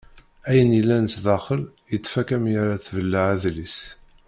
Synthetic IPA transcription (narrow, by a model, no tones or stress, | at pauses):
æjənjəlːænəsðɑχəljət͡s̪ːfækæmjaɾaθvəlːaʕæðlis